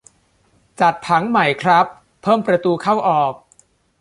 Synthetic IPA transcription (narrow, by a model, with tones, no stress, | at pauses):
t͡ɕa˨˩t̪ʰːa˩˦ŋma˨˩jkʰɾa˦˥pʰː | ɤː˥˩mpɾa˧t̪uː˧kʰa˥˩wʔɔː˨˩k̚